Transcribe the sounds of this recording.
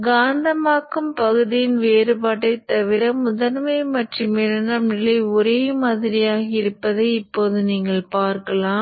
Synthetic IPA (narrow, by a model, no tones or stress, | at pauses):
ɡaːnd̪ɐmaːkːɯmpɐɣɯðɪjɪnʋeːɾɯpaːʈːɐɪt̪ːɐʋɪɾɐmʊðɐnmɐɪmɐʈrimɛɾɐnɐmnɪlɐɪɔɾeːmaːðɪɾɪjaːɣɐɪɾɯpːɐðɐɪɪpːoːðɯniːŋɡɐɭpaːɾkɐlãːm